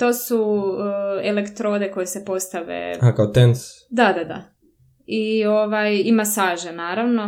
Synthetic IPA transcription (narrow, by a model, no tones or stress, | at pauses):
t̪o̞ːsu | elekt̪ɾo̞ːd̪e̞ko̞jese̞po̞st̪aʋḛakaot̪ensd̪ad̪ad̪a̰ | io̞ʋajimasaːʒenaːɾaʋno̞